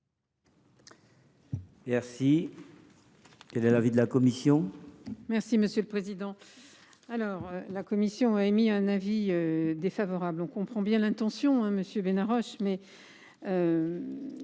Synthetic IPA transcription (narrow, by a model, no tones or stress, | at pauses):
mɛʁsi | kɛlɛlavid̪əlakɔmisjɔ̃mɛʁsiməsjøləpχezid̪ɑ̃ | alɔʁølakɔmisjɔ̃aɛmiɛ̃naviød̪efavɔʁablɔ̃kɔ̃pχɑ̃bjɛ̃lɛ̃t̪ɑ̃sjɔ̃ɛ̃məsjøbenaʁɔʃmɛ | ø